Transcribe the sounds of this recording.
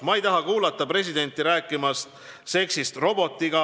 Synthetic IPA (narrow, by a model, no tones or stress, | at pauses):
mɑejt̪ɑɦɑkuːlɑt̪ːˑɑpre̞s̬ʲid̪̥e̞nt̪ːˑiɾæːkˑːimɑst̪ | se̞ksist̪ro̞bo̞t̪ːˑiɡ̥ɑ